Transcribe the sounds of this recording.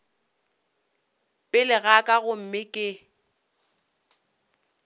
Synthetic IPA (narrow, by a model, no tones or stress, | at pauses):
pʼɪlɪɣakʼaɣʊm̩mɪkʼɪ